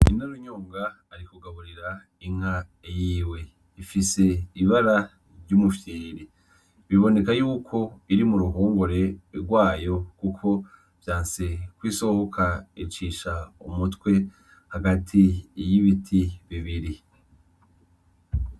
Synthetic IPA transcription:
inaɾoɲoːŋɡaː | ɾikuɡaβuɾiɾa | iŋ̥haejiːwe̞ | ifise̞iβaɾa | ɾɟumufjeːɾi | βiβo̞ne̞kajuːkʰo̞iɾimuɾuɦuːŋɡuɾe̞ɾɡwaːjo̞kukʰo̞ | v̥jaːnse̞kwiːso̞hokʰait͡ʃiʃaumutkwe̞ | haɡatʰijiβitʰiβiβiɾi

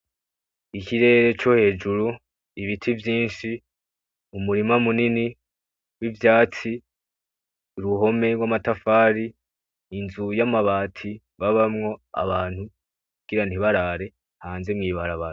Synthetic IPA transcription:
ikiɾe̞ːɾe̞t͡ʃo̞he̞ːd͡ʒuɾu | iβitʰivjiːnʃi | umuɾimamunini | wivjaːt͡si | ɾuɦo̞me̞ɾwamatafaːɾiː | nzujamaβaːtʰi | βaβamŋo̞a̰βaːnhu | kuɡ̥iɾan̥iβaɾaɾe̞ | haːnze̞mŋiːβaɾaβaɾa

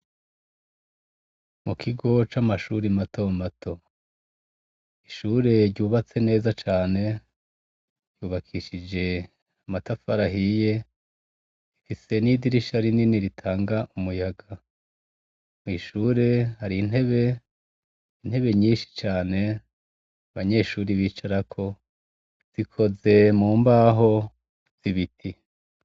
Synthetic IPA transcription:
mukʰiɡo̞t͡ʃamaʃuɾimatʰomatʰo̞ | iʃuːɾe̞ɾɟuːβat͡se̞ne̞ːzat͡ʃaːne̞ | ɟ̥uːβakʰiʃid͡ʒe̞ | amatafaɾaɦije̞ | ifise̞nidiɾiʃaɾininiɾitʰaːŋɡaʔumujaɡa | mwiʃuːɾehaɾin̥he̞βe̞ | in̥he̞βe̞ɲiːnʃi̥t͡ʃaːne̞ | aβaɲe̞ʃuːɾiβiːt͡ʃaɾakʰo̞ | z̥ikʰo̞ze̞muːmbaːɦo̞ | z̥iβitʰi

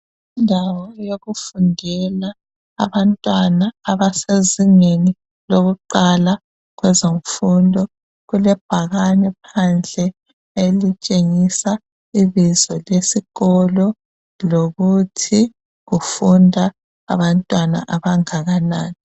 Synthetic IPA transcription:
indʱawɔjoɣufundʱɛla̰ː | βantʼwanaːβaseziŋeni | loɣuǃala | ɣwɛzoɱfundʱɔ | ɣulɛb̥̚ʱaɣanɛpʰand͡ɮʱɛ | elit͡ʃʼeŋisa | iβizɔlesiɣɔlɔ | loɣutʰi | ɣufundʱa̰ː | βantʼwana̰ʔaβaŋaɣanaːni

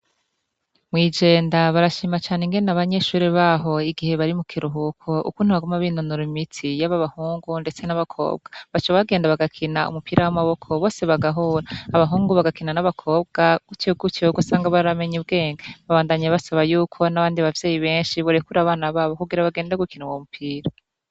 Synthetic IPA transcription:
mwiːd͡ʒe̞ːndaβaɾaʃiːmat͡ʃaːneŋɡe̞nenaβaɲe̞ʃuːɾiβaːɦo̞iɡihe̞βaɾimukʰiɾuɦukʰo̞ʔṵkuːn̥huβaɡomaβinonuɾimitʰijaβaβahuːŋɡunde̞t͡se̞naβakʰo̞̰ːb̚ɡ̥ḁβat͡ʃaβaβaɡeːndaβaɡakʰinaṵmupiɾʔawamaβo̞kʰo̞βo̞ːse̞βaɡaɦuːɾaːβaɦuːŋɡuβaɡakinanaβakʰo̞ːb̚ɡakut͡ʃiɡut͡ʃiɡosaːŋɡaβaɾame̞ɲubɡe̞ːŋɡaβaβaːndaɲaβasaβajuːkʰo̞naβaːndiβavje̞ːjiβe̞ːnʃiβoɾekuɾaːβaːnaβaːβo̞kuɡiɾaβaɡe̞ːndaɡukinuwomupʰiːɾa

